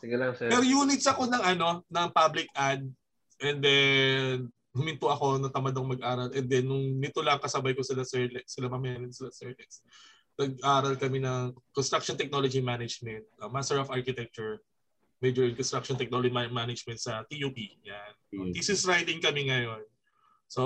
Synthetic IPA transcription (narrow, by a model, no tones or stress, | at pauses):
sɪɡɐlɐŋpɛɾojuːnɪt̪sɐko̞nɐŋʔɐno̞nɐŋpablɪkʔad̪̚ | ʔɛnd̪ɛn | ʊmɪnt̪ʊɐko̞nɐt̪ɐmad̪ɐŋmɐɡ̚ʔaːɾɐlʔɛnd̪ɛnːʊŋnɪt̪olɐɐŋkɐsɐbajkosɪlasɛɹlɛksɪlamɐmɐjanɪnsɪlasɛɹlɛks | nɐɡ̚ʔaːɾɐlkɐmɛnɐŋkonst̪ɾak̚ʃɔnt̪ɛk̚no̞lod͡ʒimanɐd͡ʒmɛnt̪̚ɐmast̪ɛɹofaɹkɪt̪ɛk̚t͡ʃʊɹ | mɛd͡ʒɔɹɪnkɔnst̪ɾakʃɔnt̪ɛk̚nolod͡ʒmamanɐd͡ʒmɛnt̪sɐt̪ijuːpiɲanp̪isɛsɹajt̪ɪŋkɐmɛŋɐjo̞n | so